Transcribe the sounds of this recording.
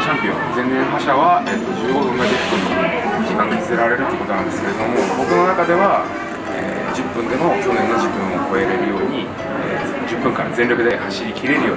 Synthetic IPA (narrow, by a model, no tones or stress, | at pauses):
ɕãmpʲiõ̰zẽnnẽɰɦaɕaβaʔet̪ːosoɡoõnːaʑipːɯ̃nk̪içʲi̥kãkɨzeɾaɾe̞ɾɯt̪eiɯ̟kot̪onãnd̪e̞sɨ̥ke̞ɾd̪oomo̞bo̞kɯ̟no̞nakad̪e̞βa | ḛː | d͡ʑɨpːɯ̟̃nd̪e̞mo̞ko̞ːnẽ̞nːoʑɨpːɯ̟̃ɰ̃o̞ko̞e̞ɾe̞ɾɯ̟jo̞ːɲ̟i | eː | d͡ʑɨpːɯ̟̃ŋkã̰zẽnʲɾo̞kɯ̟d̪e̞haɕiɾʲikʲiɾe̞ɾɯ̟joː